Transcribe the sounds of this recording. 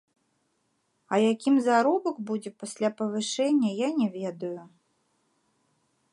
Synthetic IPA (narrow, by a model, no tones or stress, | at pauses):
ɐjakʲimzaɾɔbɐkbud͡zʲɛpasʲlʲapɐvɨʂɛnʲːɐjanʲɛvʲɛd̪ɐju